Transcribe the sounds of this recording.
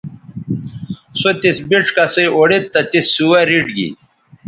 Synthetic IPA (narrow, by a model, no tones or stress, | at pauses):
sot̪isbiʈ͡ʂkɐseoɽit̪ːɐt̪isːuwɐɾiʈɡḭ